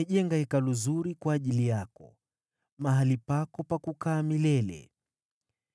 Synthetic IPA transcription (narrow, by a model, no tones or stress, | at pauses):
ʄɛŋɡahɛkaluzuɾikwaːʄilijakɔ | maɦalipakɔpakukaːmilɛlɛ̰